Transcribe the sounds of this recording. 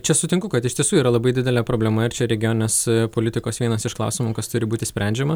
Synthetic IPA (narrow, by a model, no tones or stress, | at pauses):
t͡ʃʲɛsʊt̪ʲɪŋkʊkɐt̪ɪʃt̪ʲiɛsuːiːɾɐlˠɐbɐɪd̪ʲɪd̪ʲɛlʲɛpɾoːbʲlʲɛmɐɪɾt͡ʃʲɛɾʲɛɡʲɪjoːnɪnʲeːspoːlʲɪt̪ʲɪkoːsʋʲiɛnɐsɪʃklˠɑ̰ʊsʲɪmukɐst̪ʊɾʲɪbuːt̪ʲɪsʲpʲɾʲʔæˑnʲd͡ʒʲɛmɐ